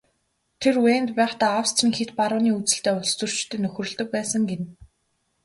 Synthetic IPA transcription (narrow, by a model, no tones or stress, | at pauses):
t̪ʰerweːnt̪pæːχt̪aːawst͡srĭːŋxet̪paɾʊːniːut͡sɘ̥̆ɬt̪eːʊɮt͡sɵ̆r̥t͡ɕt̪ʰɘ̆ːnːɵxrɵ̆ɮt̪ɵ̆k̚pæːsə̆ŋɡen